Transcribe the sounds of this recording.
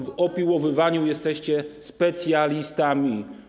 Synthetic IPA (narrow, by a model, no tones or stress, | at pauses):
vɔpʲiwɔvɘvaɲujɛst̪ɛɕt͡ɕɛspɛt̪sʲjalʲist̪amʲi